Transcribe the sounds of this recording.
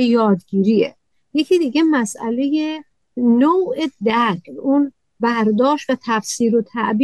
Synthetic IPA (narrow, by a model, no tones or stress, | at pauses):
jɒːd̪ɡiːɾiḛ | jecʰid̪iːɡɟe̞mæsʔæ̰le̞je | noːʔed̪ækɾun | bæɾd̪ɒːʃt̪væt̪ʰæfsiːɾot̪ʰæʔbi